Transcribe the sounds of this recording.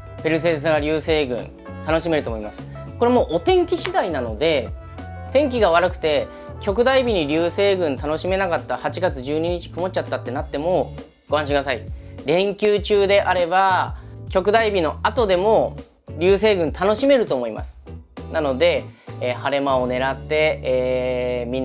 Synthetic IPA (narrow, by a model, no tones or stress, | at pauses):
pe̞ɾɯ̟se̞ːs̬ɨɡaɾʲɨːse̞ːɡɯ̟̰̃n | t̪ano̞ɕime̞ɾɯ̟omo̞imasɨ̥ | koɾe̞mo̞ːʔot̪ẽ̞ŋkʲiɕid̪ainano̞d̪e̞ | t̪ẽ̞ŋk̬ʲiɡaβ̞aɾɯ̟kɯ̟̥t̪e̞ | kʲo̞kɯ̟d̪aibʲiɲ̟iɾʲɨːse̞ːɡɯ̟̃nt̪anoɕime̞nakat̪ːahat͡ɕiɡat͡sɨʑɨːɲ̟iɲ̟it͡ɕi̥kɯ̟mo̞t͡ɕat̪ːat̪ːe̞nat̪ːe̞mo̞ | ɡ̥o̞ãɕiɡ̪asaiɾẽ̞ŋkʲɨːt͡ɕɨːd̪e̞ʔaɾe̞bakʲo̞kɯ̟d̪aibʲino̞at̪o̞d̪e̞mo̞ | ɾʲɨːse̞ːɡɯ̟̃nt̪ano̞ɕime̞ɾɯ̟t̪o̞ːmo̞imʔa̰sɨ̥nano̞d̪e̞ːhaɾe̞mao̞ne̞ɾat̪ːe̞ː | mʲĩ